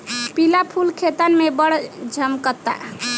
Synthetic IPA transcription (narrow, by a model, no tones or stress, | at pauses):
pilapʰulkʰet̪ənmebəɽd͡ʒʱəmkət̪ːa̰